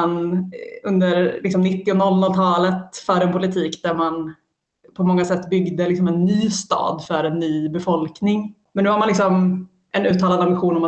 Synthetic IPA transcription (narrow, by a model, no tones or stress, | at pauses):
anɵnd̪əɾlɪksɔmnɪt̪ːɪɔnɔlnɔlt̪ʰɑːlət̪fœːɾɛnpʊlɪt̪ʰiːkd̪æɾman | pʰɔmɔŋːasɛt̪ːbʏɡd̪əlɪksɔmɛnːyːst̪ɑ̰ːd̪fœɾɛnːyːbɛfɔlknɪŋmɛnʉːhamanlɪksɔm | ʔɛnʉ̟ːt̪ʰːɑːlad̪amɪɧuːnɔma